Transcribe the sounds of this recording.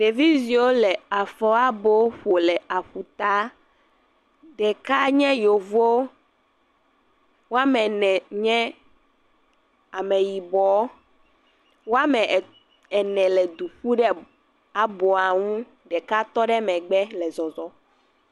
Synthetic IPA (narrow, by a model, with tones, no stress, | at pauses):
ɖe˨vi˦zi˨wo˦lɛ˨a˨fɔ˦a˦bo˦ɸo˨lɛ˨a˨ɸu˨t̪a˦ | ɖɛ˨ka˦ɲɛ̃˦jo˨vo˦ | wo˦a˦mɛ̃˨nɛ̃˨ɲɛ̃˦ | a˨mɛ̃˨ji˨bɔ˨˦ | wo˦a˦mɛ̃˨ | ɛ˨nɛ̃˨lɛ˨d̪u˨ɸu˦ɖɛ˦ | a˨bɔ˨a˨ŋũ˦ | ɖɛ˨ka˦t̪ɔ˦ɖɛ˦mɛ̃˨ɡ͡bɛ˦lɛ˨zɔ˨zɔ˦